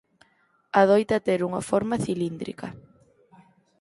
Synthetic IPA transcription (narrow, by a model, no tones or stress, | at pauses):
aðojt̪ɐt̪eɾuŋɐfɔɾmɐθilind̪ɾḭkɐ